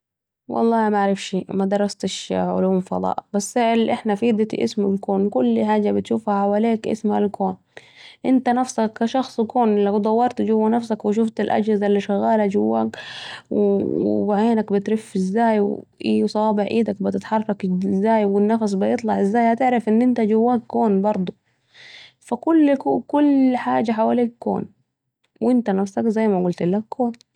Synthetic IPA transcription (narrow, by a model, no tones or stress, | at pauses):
wɑ̰lˤːɑːmaʕɾɪfʃiːmad̪ɑɾˤːɑst̪ɪʃʕʊ̰luːmfɑ̰d̪ˤɑ̰ːʔbasːʔlʔɪħnafid̪at̪ḭʔɪ̰smalkoːnkʊlːħaːd͡ʒabɪt̪ʃuːfhaħawaleːkʔɪ̰smhalkoːn | ʔɪnt̪anafsakːaʃɑxsˤkoːnlawd̪ˤɑwːɑɾˤt̪d͡ʒʊwːanafsakwɪʃ̬ʊft̪alʔa̰d͡ʒhɪzalːiʃʊɣaːlad͡ʒʊwːakwbaʕeːnakbɪt̪ɾɪfːɪzːaːjwʔiːwsˤɑwɑːbɪʕʔḭːd̪ak̚bɪt̪ɪt̪ħɑrˤɑkzːaːjwɪnːafas̬ˤbɪjɨt̪ˤlɑʕʔɪzːaːjhat̪ɪʕɾɪfʔɪnːʔɪnt̪ad͡ʒawːaːkːoːnbɑɾˤd̪ˤu | fakʊlːkʊlħaːd͡ʒaħawaːliːkːo̰ːn | wʔɪnt̪anafsakzajːmaɡʊlt̪ɪlːakʰːoːn